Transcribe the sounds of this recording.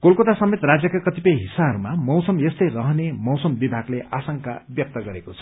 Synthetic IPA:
kolkot̪asʌmet̪rad͡zjʌkakʌt̪ipʌjɦisaɦʌɾumamʌwsʌmjest̪ʌjrʌɦʌnemʌwsʌmbibʱaɡleʔasʌŋka̰bjʌk̚t̪ʌɡʌɾekot͡sʰʌ̥

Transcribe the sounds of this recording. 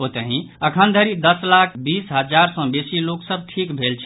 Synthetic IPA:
ot̪əɦĩ | əkʰənd̪ʱəɾid̪əslakʰbisɦəd͡ʒaɾsɔ̃besiloksəb̚ʱʈʰikbʱelt͡ʃʰ

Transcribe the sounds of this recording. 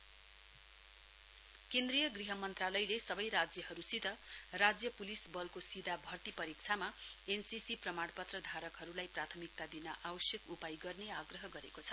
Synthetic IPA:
kend̪rijʌɡriɦʌmʌnt̪ralʌjlesʌbʌjɾad͡zjʌhʌɾusit̪ʌrad͡zjʌpulisbʌlkosid̪abʱʌrt̪ipʌɾik̚t͡sʰama | ensisiprʌmaɽpʌt̪rʌd̪ʱaɾʌkɦʌɾulajprat̪ʰʌmik̚t̪ad̪inʌʔawʌsjʌkupajɡʌrneaɡrʌɦʌɡʌɾekot͡sʰʌ̥

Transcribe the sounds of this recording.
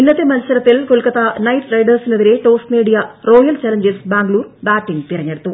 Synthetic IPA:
inːɐt̪ːemɐnɐsɐɾɐt̪ːilkolkɐt̪ːɐnɐjʈrɐjɖɐrsineðiɾe̞ʈo̞ːsʈmiːɽijɐro̞ːjɐlt͡ɕɐlɐɲd͡ʑesbaːŋɡɐluːrbaːʈːiŋɡt̪irɐɲːeɽut̪ːu

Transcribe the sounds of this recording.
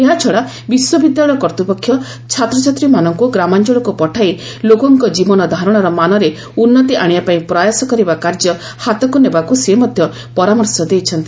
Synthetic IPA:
eɦat͡ʃʰɔɽa | biswɔbid̪jaɭɔjɔkɔɾt̪upɔkʰːjɔ | t͡ʃʰat̪ɾɔt͡ʃat̪ɾimanɔŋkuɡɾamand͡ʒɔɭɔkupɔʈʰai | lokɔŋkɔd͡ʒibɔnɔd̪ʱaɾɔɽ̃ɔɾɔmanɔɾe | unːɔt̪iʔaɽ̃ibapaĩpɾajasɔkɔɾibakaɾd͡ʒjɔ | hat̪ɔkunebakusemɔd̪ʱjɔ | pɔɾamɔɾsɔd̪ejt͡ʃʰɔnt̪i

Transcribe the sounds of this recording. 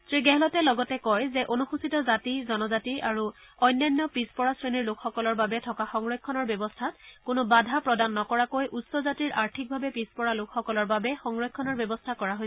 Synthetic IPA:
tɹiɡɛɦɛlɔtɛlɔɡɔtɛkɔjzɛʔonuxusitɔzatizɔnɔzatiaɹu | ɔjnjɔnːjɔpispɔɹasɹeniɹlokʰxɔkɔlɔɹbabɛtʰɔkaxɔŋɹɔjkʰːɔnɔɹbjɔbɔstʰatkonʊbadʱapɹɔdanːɔkɔɹakojʔutsɔzatiɹʔaɹtʰik̚bʱabɛpispɔɹalokʰxɔkɔlɔɹbabɛxɔŋɹɔj̚kʰːɔnɔɹbjɔbɔstʰakɔɹaɦojsɛ

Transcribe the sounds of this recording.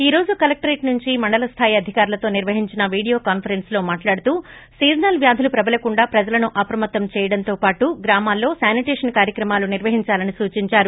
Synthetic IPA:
iːɾo̞ːd͡ʒukɐlɐk̚ʈɐɾeːʈnuɲt͡ʃimɐɳɖɐlɐst̪ʰaːjiɐd̪ʱikaːɾulɐt̪o̞ːniɾʋɐɦiɲt͡ʃinɐʋiːɽijo̞ːkaːnpʰɐɾenslo̞ːmaːʈlaːɽut̪uː | siːd͡ʒnɐlʋjaːd̪ʱɐlupɾɐbɐlɐkuɳɖaːpɾɐd͡ʒɐlɐnuʔɐpɾɐmɐt̪ːɐmt͡ʃɛːjɐɽɐnt̪o̞ːpaːʈuɡɾaːmaːlːo̞ːsaːniʈeːʂɐnkaːɾjɐkɾɐmaːluniɾʋɐɦiɲt͡ʃaːlɐnisuːt͡ʃiɲt͡ʃaːɾu

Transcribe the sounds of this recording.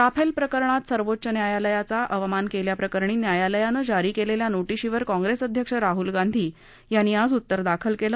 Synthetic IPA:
t̪apʰelpɾəkəɾɳ̃at̪səɾʋot̪ːɕənjajaləjat͡saʔəʋəmankeljapɾəkəɾɳiːnjajaləjanəd͡ʑaɾiːkeleljanoʈiɕiʋəɾkɔ̃ŋɡɾesəd̪ʱjəkʂəɾaɦulɡand̪ʱiː | janːiːad͡zut̪ːəɾd̪akʰəlkelə

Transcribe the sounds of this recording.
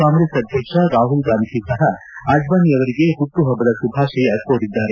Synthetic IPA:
aːmɾesɐd̪ʱjɐkʂɐɾaːɦulɡaːnikisɐɦɐ | ad͡ʒbaːniɐʋɐɾiɡe̞ɦuʈ̪ːuɦɐbːɐɾɐsubʱaːʂɐjɐkoɽid̪ːaːɾe

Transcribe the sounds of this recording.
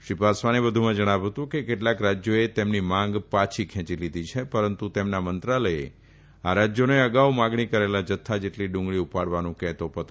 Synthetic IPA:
ʃɾipasʋanebəd̪ʱumãd͡ʒəɽ̃aʋɦət̪ũkekeʈlakɾad͡ʒjoet̪emnimãŋɡpat͡ʃʰikʰɛ̃t͡ʃilid̪it͡ʃʰepəɾənt̪ut̪emnamənt̪ɾaləḛ | aɾad͡ʒjoneəɡaʋmãɡɳikəɾelad͡ʒət̪ʰːad͡ʒeʈliɖʊ̃ŋɡɭiupaɽʋanũkɛt̪opət̪

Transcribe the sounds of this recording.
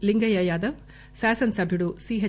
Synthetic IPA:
liŋɡɐjɐjaːd̪ɐʋ | saːsɐnsɐbʱiɽusiːɦɐ

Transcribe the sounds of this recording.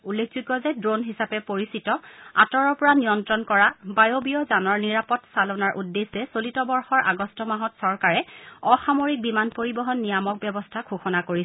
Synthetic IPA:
ulːek̚ʰzikɔzɛdɹonɦisapɛpoɹisitɔa̰tɔɹɔɹpɔɹanijɔntɹɔnkɔɹabajobiɔzanɔɹniɹapɔtsalɔnaɹʔudːesːɛsolitɔbɔɹxɔɹʔa̰ɡɔstɔmaɦɔtsɔɹkaɹɛɔxamoɹik̚bimanpoɹibɔɦɔnːijamɔk̚bjɛbɔstʰakʰuxɔnakoɹisɛ

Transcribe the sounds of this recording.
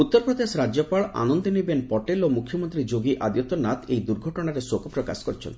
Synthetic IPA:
ut̪ːɔɾpɾɔd̪esɔɾad͡ʒjɔpaɭa̰nɔnd̪ɔnibenpɔʈelomukʰːjɔmɔnt̪ɾid͡ʒoɡiʔad̪jɔt̪ɔnat̪ejd̪uɾɡʱɔʈɔɽ̃aɾesokɔpɾɔka̰sɔ̥kɔɾt͡ʃʰḛn

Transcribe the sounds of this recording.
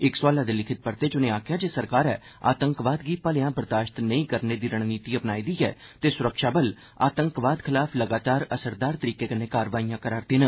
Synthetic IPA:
ɪkswaːlaːd̪eːlɪkʰɪt̪̚pəɾt̪eːd͡ʒʊnẽːaːkʰjaːd͡ʒeːsəɾkaːɾɛ̰ː | a̰ːt̪əŋkʋaːd̪ɡiːpaːlejãːbəɾd̪aːʃt̪nəĩːkəɾneːd̪iːɾəɽ̃niːt̪iːəpnaːiːd̪iːɛ̰ːt̪eːsʊɾəkʃaːbəl | a̰ːt̪əŋkʋaːd̪kʰɪlaːpʰləɡaːt̪aːɾəsəɾd̪aːɾt̪əɾiːkeːkəneːkaːɾʋaːijãːkəɾaːɾt̪eːnə

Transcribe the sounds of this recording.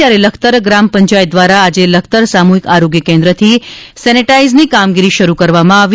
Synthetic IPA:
jaɾeləkʰt̪əɾɡɾampəɲt͡ʃajd̪ʋaɾaːd͡ʒeləkʰt̪əɾsamuɦikaɾoɡjəkɛ̃nd̪ɾət̪ʰisɛniʈaiznikamɡiɾiʃəɾukəɾʋamãaʋi

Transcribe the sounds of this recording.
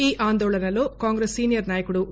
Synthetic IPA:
iːʔaːnd̪oːɭɐnɐlo̞ːkaːŋɡɾesːiːnijɐɾnaːjɐkuɽu

